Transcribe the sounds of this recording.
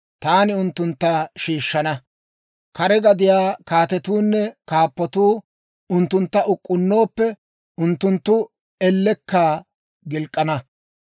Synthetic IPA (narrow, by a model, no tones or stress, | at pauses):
t̪aːnɪʊnt̪ːʊnt̪ːaʃiːʃːɐnɐ | kɐɾɛɡɐd̪ɪjaːkaːt̪ɛt̪uːnːɛkaːpːɔt̪uː | ʊnt̪ːʊnt̪ːɐʔʊkʼːʊnːo̞ːpːɛ | ʊnt̪ːʊnt̪ːʊ | ɛlːɛkːaː | ɡɪlkʼːɐnɐ